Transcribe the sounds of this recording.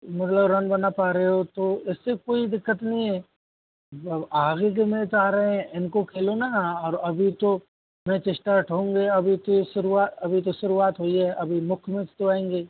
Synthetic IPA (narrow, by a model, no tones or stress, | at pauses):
mɐt̪ləbɾɐ̃nbɐnapaːɾɦeɦot̪oɪsːekoːid̪ɪkːət̪nɐɦĩɦɛ̃ː | aːɡek̬emẽt̪aːɾɐɦɛ̃ɪnkokʰeːlonaɔːɾɐbʱit̪o | mɛ̃t͡ʃɪʃʈaʈʰɦõːŋɡeɐbʱit̪oʃʊɾuaːt̪ɐbʱit̪oʃʊɾuaːt̪ɦoːiɦɛʔɐbʱimʊkʰmẽt͡ʃt̪oaːẽːŋɡeː